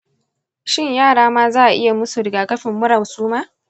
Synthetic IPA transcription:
ʃɪ˦ɲjaː˦˨ɽaː˦maː˦zaː˦˨ʔa˨ʔɪ̰˦ja˨mʊ˦su˨ɽɪ˨ɡaː˨kɐ˦ɸɪ˨mːʊ˦ɽɐ˨wsuː˦maː˦

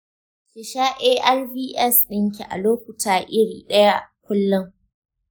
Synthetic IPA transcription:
kɪ˨ʃaː˦ʔeː˦ʔa˦lviː˦ʔɛ˦˨sɗɪ˦ŋk̬ʲḭ˨ʔa̰˨loː˦k̚ʷʊ˨taː˨ʔɪ˦ɽiː˨ɗɐ˦ja˦kʷʊ˦lːʊ˦ŋ

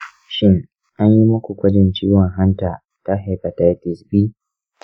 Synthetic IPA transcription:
ʃɪ˦ŋ | ʔa˦ɲji˦mɐ˦kʷu˨kʷɐ˦d͡ʒɪ˦nt͡ʃiː˦wɔ˨ŋɦa˦nta˨ | ta˦ɦa˨pa˨ta˦jtɪ˨sbiː˦

